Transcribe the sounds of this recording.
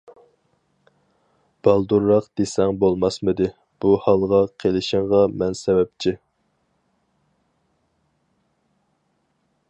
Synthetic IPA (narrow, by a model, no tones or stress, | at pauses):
b̥ɑlˠd̪uɾːɑqd̪̥esɛŋbolˠmɑsmɨd̪ɪ | b̥uhɑlˠʁɑqʰelɪʃɪŋʁɑmɛnsɛbɛp̚t͡ʃʰi